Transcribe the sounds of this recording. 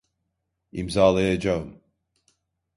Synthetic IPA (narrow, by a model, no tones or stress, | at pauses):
ḭmzaːlˠajad͡ʒaɯm